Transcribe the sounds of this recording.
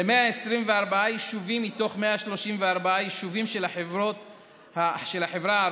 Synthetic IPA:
emeaesʁimveaʁbaajeʃuvimːit̪o̞χme̞aʃlo̞ʃimveaʁbaajeʃuvimʃe̞laħevʁot̪ | haʃelhaħevʁaa

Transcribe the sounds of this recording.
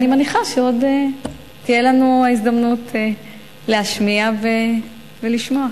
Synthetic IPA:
nimaniχaʃeo̞de | t̪ijelanuaizd̪amnutʰ | leaʃmiave | veliʃmo̞a

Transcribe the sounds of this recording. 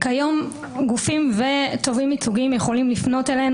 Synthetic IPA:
kajo̞m | ɡufimve̞t̪o̞vimit͡suɡimjeχo̞limlifno̞telen

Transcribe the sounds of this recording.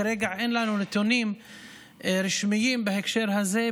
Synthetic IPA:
ɾeːɡaʕʔenlanunɪt̪uniːm | ɾɪʃmɪjiːmbɪhekʃeːɾɦaze

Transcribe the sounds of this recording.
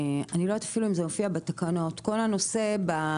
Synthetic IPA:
aniloetafiluimzemofiabetakano̞tko̞lhanose̞ba

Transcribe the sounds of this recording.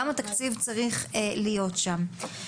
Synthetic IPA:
amat̪akt͡sivt͡saʁiχelijo̞t̪ʃam

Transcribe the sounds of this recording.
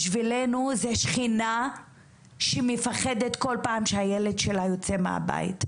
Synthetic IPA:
ʃvilenuzeʃχina | ʃemefaχedetko̞lpaːmʃeajeledʃelajo̞t͡semḛa̰ba̰ḭt

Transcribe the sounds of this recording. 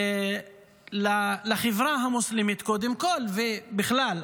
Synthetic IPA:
lalaχevʁaɦamuslimit̪kod̪emkolvebiχlal

